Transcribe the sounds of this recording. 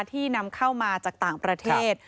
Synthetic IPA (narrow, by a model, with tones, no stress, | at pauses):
t̪ʰiː˥˩na˧mkʰa˥˩wmaː˧t͡ɕaː˨˩k̚t̪aː˨˩ŋpɾa˧t̪ʰeː˧˥˩t̪̚